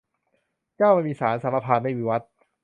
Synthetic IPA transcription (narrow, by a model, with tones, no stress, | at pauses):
t͡ɕaː˥˩wma˥˩˨miː˧saː˩˦nsa˩˦ma˧pʰaː˧nma˥˩wiː˧˩wa˦˥t̪̚